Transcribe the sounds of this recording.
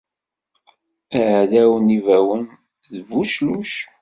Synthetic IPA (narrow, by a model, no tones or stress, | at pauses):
æʕðæwənivæwən | ðvuʃluʃ